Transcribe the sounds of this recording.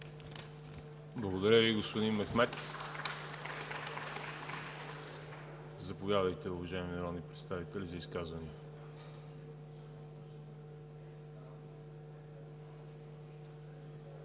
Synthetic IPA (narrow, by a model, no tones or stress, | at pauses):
blˠɐɡod̪ɐɾʲəviɡospod̪inmɛxmɛt̪ | zɐpoɡad̪əjt̪ɛʊvɐʒaimnɐɾɔd̪nipɾɛt̪st̪avit̪ɛlʲizɐiskazvɐni